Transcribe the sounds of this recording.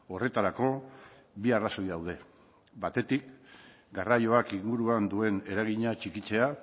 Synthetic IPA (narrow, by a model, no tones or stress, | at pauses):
o̞re̞t̪aɾako̞ | biaraso̞jðawð̞e̞ | bat̪e̞t̪ik | ɡarajo̞akiŋɡuɾuand̪ue̞ne̞ɾaɣiɲat͡ʃikit͡se̞a